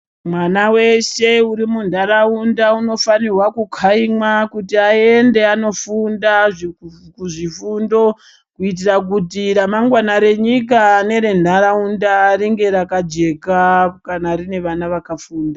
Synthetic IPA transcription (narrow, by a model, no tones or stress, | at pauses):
mwanawe̞ʃe̞uɾimundʱaɾaundauno̞fanirwakukʰaimakutiae̞nde̞ano̞fundaʐikuʐifundo̞ | kuit̬irak̬utiɾamaŋɡwanaɾe̞ɲik̬aːne̞ɾe̞ndʱaɾaundaɾiŋɡe̞ɾakad͡ʒe̞kakanaɾine̞ʋanaʋakafuːnda